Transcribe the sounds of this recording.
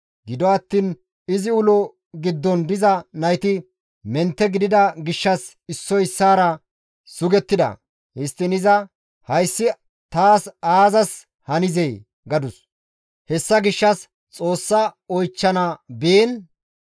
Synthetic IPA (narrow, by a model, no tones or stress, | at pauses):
ɡɪd̪ɔɐt̪ːiːn | ɪzɪʊlɔ | ɡɪd̪ːɔnd̪ɪzɐnɐjt̪ɪ | mɛnt̪ːɛɡɪd̪ɪd̪ɐɡɪʃːɐs | ɪsːɔɪsːaːɾɐ | sʊɡɛt̪ːɪd̪ɐ̰ | hɪst̪ːɪnɪzɐ | hɐjsːɪ | t̪aːsaːzɐs | hɐnɪzɛj | ɡɐd̪ʊs | hɛsːɐɡɪʃːɐs | t͡sʼo̞ːsːɐɔjt͡ʃːɐnɐbiːn